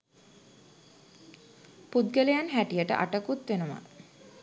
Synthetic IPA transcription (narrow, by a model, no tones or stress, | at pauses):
pud̪ɡəlejanɦæʈijəʈə̰ʔa̰ʈəkut̪ʋenəma̰